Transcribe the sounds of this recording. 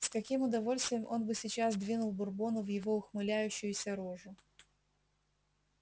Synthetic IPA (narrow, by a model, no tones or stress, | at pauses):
skɐkʲimʊd̪ɐvo̞lʲst̪vʲɪjəmʔo̞nbɨsʲɪt͡ɕazd̪vʲinʊlˠbʊrbo̞nʊvjɪvo̞ʊxmɨlʲæjʉɕːɪjʊsʲɐɾoʐʊ